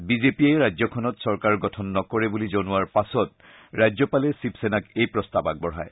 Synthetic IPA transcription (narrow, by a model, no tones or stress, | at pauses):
bizepiajɹajzɔkʰɔnɔtsɔɹkaɹɡɔtʰɔnːɔkɔɹɛbulizonʊwaɹpasɔt̚ | ɹajzɔpalɛsipsenakejpɹɔstabak̚bɔɹɦa̰j